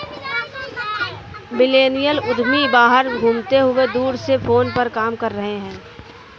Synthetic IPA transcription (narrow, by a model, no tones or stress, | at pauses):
bɪleːnijəlʊd̪ʱmibaːɦəɾbʱũːmt̪eɦʊed̪uːɾsepʰoːnpəɾkaːmkɐɾːəɦeɦɛ̃ː